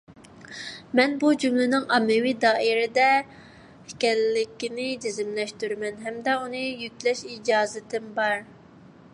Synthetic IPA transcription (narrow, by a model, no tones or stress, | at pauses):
mɛnbud͡ʒymlɪnɪŋɑmːɪwid̪ɑːʔiɾɪd̪ɛ | hɛkʲɛlːɪkʲinɪd͡ʒezɪmlɛʃt̪yɾmɛnɦɛmd̪ɛunɨjykʲlɛʃid͡ʒɑːzɪt̪ʰɪmbɑɾ